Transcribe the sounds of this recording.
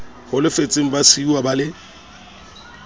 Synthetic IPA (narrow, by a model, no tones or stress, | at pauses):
hʊlɪfet͡sʼɪŋ̩basiuwabalɪ